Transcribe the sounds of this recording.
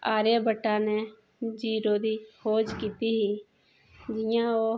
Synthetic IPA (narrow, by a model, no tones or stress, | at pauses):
aːɾjabəʈːaːneː | d͡ʒiːɾoːd̪iːhoːd͡ʒkiːt̪iɦiː | d͡ʒɪjãːoː